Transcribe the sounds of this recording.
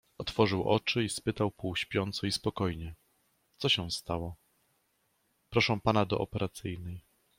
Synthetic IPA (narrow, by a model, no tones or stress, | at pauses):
ɔt̪fɔʐɘwʔɔ̰t͡ʂɘispɘt̪awpuwɕpʲjɔnt̪sɔispɔkɔjɲɛ | t̪sɔɕɛw̃st̪awɔ | pɾɔʂɛ̃w̃panad̪ɔ̰ʔɔpɛɾʔat̪sɘjnɛj